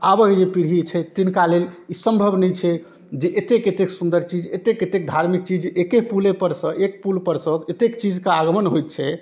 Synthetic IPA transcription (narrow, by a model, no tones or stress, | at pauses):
abəked͡ʒepiɾɦit͡ʃʰɛt̪inkalelisəmbʱəbʱnɛjt͡ʃʰɛ | d͡ʒeʔet̪eket̪eksund̪əɾt͡ʃid͡ʒet̪eket̪ek̚d̪ʱaɾmik̚t͡ʃid͡ʒekepulepəɾsə̃ʔek̚pulpəɾsə̃et̪ekt͡ʃid͡ʒkaaɡəmənɦojt̪̚t͡ʃʰɛ